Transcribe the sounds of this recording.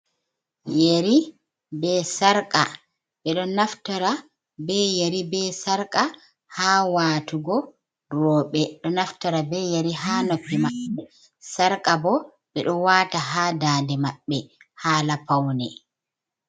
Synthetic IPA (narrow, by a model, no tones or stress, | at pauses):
jeɾi | bɛsaɾkʼa̰ | ɓɛɗɔnaftɔɾa | bɛjeɾibɛsaɾkʼa | haːwaːtuɡɔ | ɾɔːɓɛɗɔnaftɔɾabɛjeɾiɦaːnopːimaɓɛ | saɾkʼabɔ | ɓɛɗɔwataɦadaːndɛmaɓːɛhaːlapawnɛ